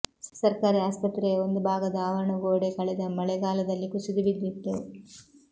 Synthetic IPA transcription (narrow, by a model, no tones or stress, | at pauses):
sɐɾkaːɾiaːspɐt̪ɾeond̪ubʱaːɡɐd̪ɐaːʋɐɾɐɳɐɡoːɽekɐɭɛd̪ɐmɐɭɛɡaːlɐd̪ɐlːikusid̪ubid̪ːit̪ːu